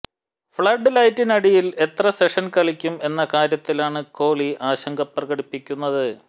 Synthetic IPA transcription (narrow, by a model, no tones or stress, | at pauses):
fɭɐɖːɨlɐjtːinɐɽijile̞t̪rɐseʂɐnkɐɭikʲːume̞nːɐkaːɾjɐt̪ːilaːɳɨko̞ːɭiʔaːɕɐŋɡɐpːrɐɣɐɽipːikʲːunːɐðɨ